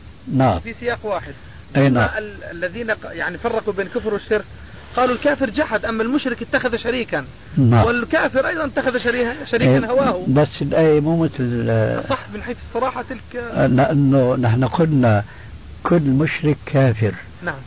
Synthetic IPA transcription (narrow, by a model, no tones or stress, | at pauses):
naʕa̰mfisɪjaːqwaːħɪd̪̚ | ʔenaaʔalalːaðiːnajaʕnifɑrˤːɑqubeːnlkʊfɾwɪʃːɪɾk | qɑːlulkaːfɪɾd͡ʒaħad̪ʔamːalmʊʃɾɪkɪt̪ːaxaðʃaɾiːkan | nawɪlkaːfɪɾʔɑjd̪ˤɑnt̪ːaxaðaʃaɾiːʃaɾiːanhawaːhʊbasːɪnʔeːmuːmɪθlsˤɑħmɪnħeːθɨsˤːɑɾˤɑːħɑt̪ɪlklɪʔanːʊnaħnaqʊlna | kʰʊlːmʊʃɾɪkʰːaːfɪɾ | naʕam